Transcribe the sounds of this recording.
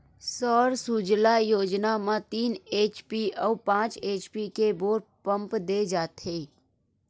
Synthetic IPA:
sɔːɾsud͡ʒlajoːd͡ʒnamãt̪iːneːt͡ʃpiɔːpãːt͡ʃeːt͡ʃpikeboːɾpə̃mpd̪eːd͡ʒaːt̪ɦeː

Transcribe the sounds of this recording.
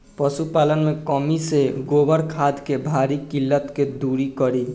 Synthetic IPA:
pəsupalənmekəmiseɡobəɾkʰad̪kebʱaɾikilːət̪ked̪uɾikəɾi

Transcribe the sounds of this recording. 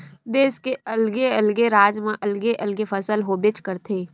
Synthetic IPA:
d̪eːskeɐlɡeɐlɡeɾaːd͡ʒmãʔɐlɡeʔɐlɡefʰɐsəlɦobɪt͡ʃkəɾt̪ʰeː

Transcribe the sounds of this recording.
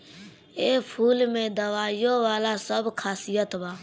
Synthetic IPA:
eːpʰuːlmẽːd̪əʋaːɪjoːʋaːlaːsəbkʰaːsijət̪baː

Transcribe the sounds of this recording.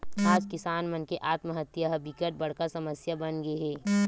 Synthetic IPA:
aːd͡ʒkɪsaːnmənkeʔaːt̪məɦət̪jaɦbɪkəʈ̚bɐɽ̤kasɐməsjabɐnɡɐeɦɛː

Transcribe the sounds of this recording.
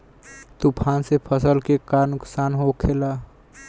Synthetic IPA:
t̪upʰansepʰəsəlkekaɾnuksanɦokʰela

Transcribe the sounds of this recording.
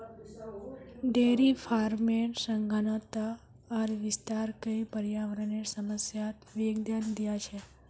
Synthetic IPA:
d̪eɾifʰaɾmeɳsəŋɡʱanət̪a | əɾʋɪst̪aɾkəjpəɾjaʋɾəneɾsəməsjat̪ʋeɡd̪jand̪jat͡ʃʰe

